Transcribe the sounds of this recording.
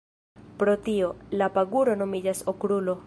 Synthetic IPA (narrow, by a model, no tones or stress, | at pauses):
pɾot̪iolapaɡuɾo̞no̞mid͡ʒasokɾulo